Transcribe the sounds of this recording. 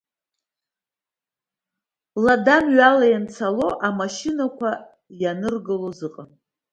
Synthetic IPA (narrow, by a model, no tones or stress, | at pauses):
ladamɥalajant͡sʰalo̞ʔamaʃinakʷʰa | janɨrɡɨlozɨqʼa